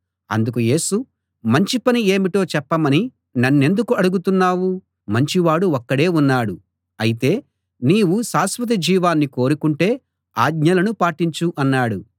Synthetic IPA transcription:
ɐ̰nd̪uk̬uje̞ːsu | mɐɲt͡ʃipɐnie̞ːmiʈo̞ːt͡ʃɛpːɐmɐni | nɐnːe̞nd̪ukuɐɽuɡut̪unːaːwu | mɐɲt͡ʃiʋaːɽuɔkːɐɽe̞ːunːaːɽu | ɐjit̪e̞ː | niːwusaːsʋɐt̪̬id͡ʒiːʋaːnːiko̞ːɾukuɳʈe̞ː | aːɡ̚ɲɐlɐnupaːʈiɲt͡ʃuʔɐnːaːɽu

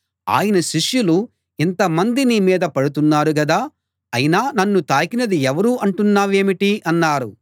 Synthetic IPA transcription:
a̰ːjɐnɐʃiʂjulu | int̪ɐmɐnd̪inimiːd̪ɐpɐɽut̪unːaːɾuɡɐd̪aː | ɐjinaːnɐnːut̪aːkinɐd̪iɛʋɐɾuːʔɐɳʈunːaːʋe̞ːmiʈiʔɐnːaːɾṵ

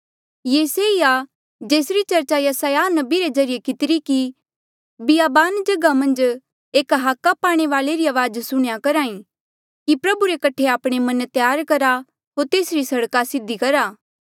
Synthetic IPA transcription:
jeːseija | d͡ʒeːsɾit͡ʃɐɾt͡ʃajɐsaːjaːnɐbiɾed͡ʒɐɾɪjekɪt̪ɪɾiki | bɪjaːbaːnd͡ʒɐɡamɐ̃nd͡ʒ | eːkɦaːkːapaːɽ̃eʋaːleɾiaːʋaːd͡ʒsʊɽ̃jakɐɾaːĩ | kipɾɐbuɾekɐʈʰeaːpɽ̃emɐnt̪jaːɾkɐɾa | ɦoːɾt̪eːsɾisɐɽkasɪd̪ikɐɾaː

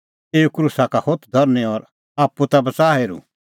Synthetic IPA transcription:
eːukɾuːsakahot̪ʰd̪ʱɔɾneɔɾ | aːpːut̪abɐt͡saːɦeːɾṵ

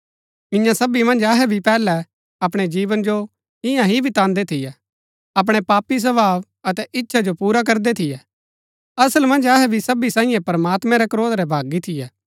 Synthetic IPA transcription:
ɪ̃jãsɐbimɐ̃nd͡ʒɐɦɛbʱipɛːlɛ | ɐp̬ɽ̃ed͡ʒiːʋənd͡ʒo | ɪjãɦibʱit̪ãːnd̪et̪ʰɪjɛ | ɐp̬ɽ̃epaːpis̬ɐbaːʋ | ɐt̪ɛʔɪtːʃʰad͡ʒopuːɾak̬ɐɾd̪ɛt̪ʰɪjɛ | ɐsəlmɐ̃nd͡ʒɐɦɛbʱisɐbisãːĩːjɛ̃pɐɾmaːt̪mɛ̃ɾɛkɾoːd̪ɾɛbʱaːɡit̪ʰɪjɛː

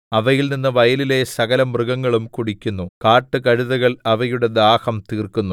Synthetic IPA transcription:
ɐʋɐjilninːɨʋɐjɐlile̞sɐɣɐlɐmrɨɣɐŋːɐɭumkuɽikʲːunːukaːʈːɨkɐɻuðɐɣɐɭɐʋɐjuɽe̞d̪aːhɐmt̪iːrkunːu

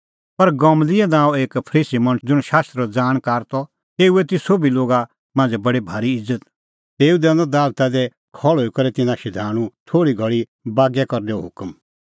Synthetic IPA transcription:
pɐɾɡɔ̃mlɪɛnaːõeːkpʰɐɾiːsimɐ̃ñd͡zʊɽ̃ʃaːst̪ɾd͡zaːɽ̃kaːɾt̪ɔ | t̪eːuet̪ɪsobiloːɡa | mãːnd͡ʒbɐɽibʱaːɾiɪzːət̪̚ | t̪eːud̪ɛ̃ːnd̪ɔd̪aːlt̪ad̪ɛ | kʰɔɭɦoːikɐɾɛt̪ɪnãʃɪd̪ʱaːɽ̃ũt̪ʰoːɽiɡʱɔɭi | baːɡɛkɐɾnɛoɦʊkm

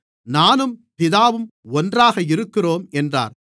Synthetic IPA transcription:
naːnɯmpɪðaːʋɯmɔndraːɣɐɪɾɯkːɪroːmɛndra̰ːɾ

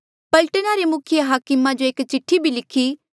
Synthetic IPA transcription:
pɐlʈənaɾemʊkʰɪjəɦaːkɪmãd͡ʒoeːkt͡ʃɪʈʰːibʱilɪkʰiː

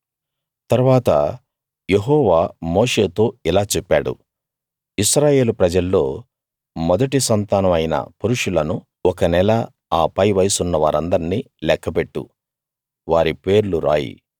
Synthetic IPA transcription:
t̪ɐɾuʋaːt̪ɐ̰ | je̞ɦɔːʋaːmo̞ːʂe̞ːt̪o̞ːilaːt͡ʃɛpːaːɽṵ | iʃɾaːje̞ːlupɾɐd͡ʒɐlːo̞ː | mɔd̪ɐʈisɐnt̪aːnɐmɐjnɐ̰puɾuʂulɐnu | ɔkɐnɛlɐ | aːpɐjʋɐjsunːɐʋaːɾɐnd̪ɐɾinːiː | lɛkʰːɐpe̞ʈːṵ | ʋaːɾipe̞ːɾuluɾa̰ːjḭ

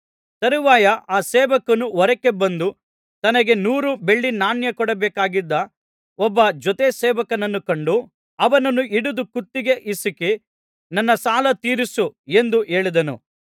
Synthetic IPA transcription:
t̪ɐɾiʋaːjɐʔaːseːʋɐkɐnuɔɾɐkːe̞bɐnd̪u | t̪ɐnɐɡe̞nuːɾube̞ɭːinaːnjɐkɔɽɐbɛːkaːɡid̪ːɐ | ɔbːɐd͡ʒɔt̪eseːʋɐkɐnɐnːukɐɳɖu | ɐʋɐnɐnːuʔiɽud̪ukut̪ːiɡe̞ʔisike | nɐnːɐsaːlɐt̪iːɾisue̞nd̪uʔeːɭid̪ɐnṵ

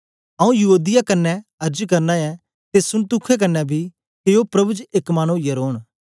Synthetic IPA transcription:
ɐũjɐɦuːd̪ɪjakɐnːɛɐɾd͡ʒkɐɾnajɛ | t̪esʊɽt̪ʊkʰːɛk̬ɐnːɛbʱi | keopɾɐbud͡ʒekmañojɛɾoːn

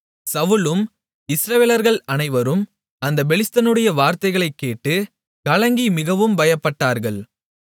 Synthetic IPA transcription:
sɐʋɯlɯm | ɪsɾɐʋeːlɐɾɣɐɭɐnɐɪʋɐɾɯm | ɐnd̪ɐbɛɭɪst̪ɐnɯɽɐjɐʋaːɾt̪ɐɪɣɐɭɐɪkːeːʈːɯ | kɐlɐŋɡimɪɣɐʋɯmbɐjɐpːɐʈːaːɾɣɐɭ

